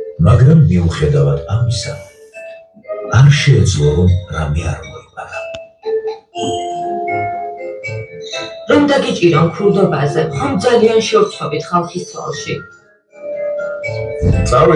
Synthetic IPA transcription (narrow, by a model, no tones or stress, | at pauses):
maɡɾamːiuχɛd̪avad̪amisa | aɾʃɛːd̪zlˠɔɾɔmɾamɛa̰ɾmɔimaɾa | ɾɔmd̪aɡit͡ʃʼiɾɔmkʰɾud̪ɔbazɛχɔmd̪zalianʃɛuɾt̪sʰɔbit̪ʰχalˠχist̪sʰa̰lˠʃi | t̪sʼavɛ